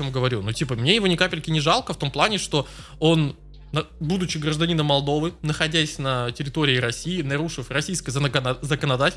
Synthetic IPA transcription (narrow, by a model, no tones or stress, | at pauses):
omɡəvɐɾʲunutʲipəmnʲe̞jɪvo̞nʲɪkapʲɪlʲkʲɪnʲɪʐɑlˠkəft̪o̞mplˠanʲɪʂt̪o̞ | o̞nː | əbud̪ʊt͡ɕɪɡɾəʐd̪ɐnʲinəmɐlˠd̪o̞vɨnəxɐdʲæsʲnətʲɪɾʲɪt̪o̞ɾʲɪɪɾɐsʲiɪnɐɾuʂɨfrɐsʲijskəjəzzəkənɐd̪atʲɪl